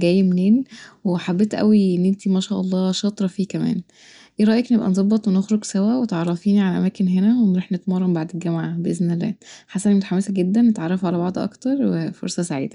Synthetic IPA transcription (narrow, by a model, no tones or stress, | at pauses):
ɡæːjːmneːnweħabːet̪ʔæ̰wiʔenːʔent̪imæʃæːʔɑlˤːɑːʃɑt̪ˤɾˤɑfiːkæmæ̰ːn | ʔeːɾˤɑːʔjeknebʔæ̰nzˤɑbːɑt̪ˤwenexɾoɡsæwæwet̪ʕɑrˤːɑfiːniʕalæʔæ̰mæːkenɦenæwenɾˤuːħnet̪mɑrˤːɑmbaʕd̪elɡæmʕabeʔeznelːæ̰ːħasænimot̪aħamːesæɡed̪ːænːet̪ʕɑrˤːɑfʕalæbɑʕd̪ˤʔɑ̰kt̪ɑɾˤwefo̰ɾsɑsaʕḭːd̪æ